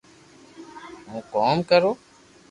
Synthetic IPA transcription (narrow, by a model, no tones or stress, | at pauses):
mũːkoːmkəɾoː